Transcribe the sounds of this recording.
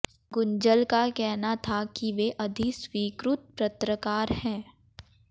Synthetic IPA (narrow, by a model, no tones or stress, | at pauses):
ɡʊ̃ɲd͡ʒəlkakɛɦnat̪ʰakiʋeʔɐd̪ʱiswiːkɾʊt̪̚pɾɐt̪ɾəkaːɾhɛ̃ː